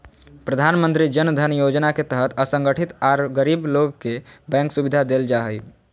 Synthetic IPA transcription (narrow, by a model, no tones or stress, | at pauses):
pɾəd̪ʱanmənt̪ɾid͡ʒənd̪ʱənjod͡ʒnaket̪əɦət̪əsə̃ŋɡəʈʰit̪aɾɡəɾibloɡkebɛ̃ŋksubid̪ʱad̪eld͡ʒaɦəj